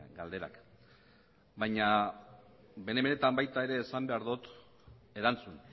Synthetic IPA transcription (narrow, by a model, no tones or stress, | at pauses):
ɡald̪e̞ɾa̰k | bajɲa | be̞nemene̞t̪ambajt̪ae̞ɾe̞ːsambe̞aɾðut̪ | e̞ɾant͡sun